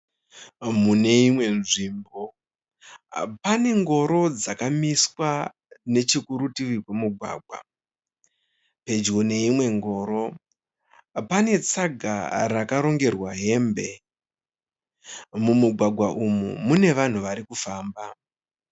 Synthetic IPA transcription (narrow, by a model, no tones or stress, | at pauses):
mune̞imwe̞nʐiːmbo̞ | pane̞ŋɡo̞ɾo̞d͡zakamiswa | ne̞t͡ʃikuɾutiwikwemuɡʱwa̰ːɡ̚ʱwa̰ | pe̞d͡ʒɡone̞imwe̞ŋɡo̞ːɾo̞ | pane̞t͡saɡʱa̰rakaɾo̞ŋɡe̞rwaɦe̞mbe̞ | mumuɡʱwaɡʱwaʔumṵmune̞ʋan̤uʋaɾikufaːmba